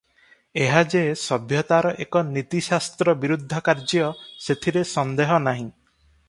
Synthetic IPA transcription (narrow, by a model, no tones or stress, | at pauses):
eɦad͡ʒesɔbʱjɔt̪aɾɔʔekɔnit̪isast̪ɾɔbiɾud̪ʱːɔkaɾd͡ʒɔset̪ʰiɾesɔnd̪eɦɔnaɦĩ